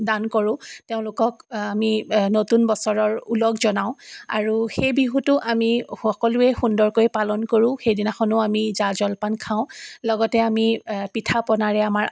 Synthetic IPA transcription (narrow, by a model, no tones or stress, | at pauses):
dankoɹʊ̃teʊ̃lʊkɔkaminotunbɔsɔɹɔɹulɔɡzɔnaʊ̃a̰ɹuxejbiɦutʊʔamiɔkɔluɛxundɔɹkojpalɔnkoɹũxejdinaxɔnʊamizazɔlpankʰaʊ̃lɔɡɔtɛamipitʰapɔnaɹɛamaɹ